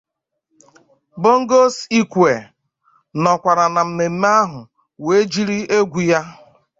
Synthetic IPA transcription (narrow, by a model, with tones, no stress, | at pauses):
bo˦ŋ̩˦ɡo˦si˦kʷe˨ | nɔ˨kʷa˨ɾa˨na˨m̩˦me˨m̩˦m˦a˦ɦʊ˨ | we˨˦d͡ʒi˦ɾi˦e˦ɡʷu˨ja˦